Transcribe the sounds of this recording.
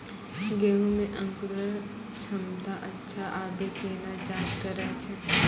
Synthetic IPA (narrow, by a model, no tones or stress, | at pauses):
ɡeːɦũmẽʔə̃ŋkuɾəɾ | t͡ʃʰɐmd̪aʔɐtːʃʰaʔaːbekeːnad͡ʒaːd͡ʒkəɾəkt͡ʃʰə